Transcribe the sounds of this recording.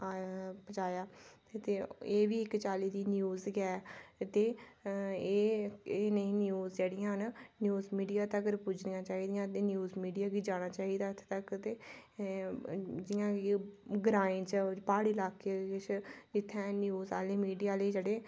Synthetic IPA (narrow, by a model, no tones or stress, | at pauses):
bət͡ʃaːjaː | t̪eːeːʋiːɪkt͡ʃaːliːd̪iːnjuːzɡɛːt̪eː | eːeːneĩːnɪjuːzd͡ʒeːɽɪjãːɦənnjuːzmiːɖijaːt̪əkəɾpʊd͡ʒnɪjãːt͡ʃaːɦiːd̪ɪjãːt̪eːnjuːzmiːɖijaːɡiːd͡ʒaːɽ̃aːt͡ʃaːɦiːd̪aːət̪ʰːt̪əkt̪eː | d͡ʒɪjãːiɡɾaːẽːt͡ʃəbaːɽiːlaːkeːt͡ʃd͡ʒɪt̪ʰːɛ̃ːnjuːza̰ːleːmiːɖijaːləiːd͡ʒeːɽeː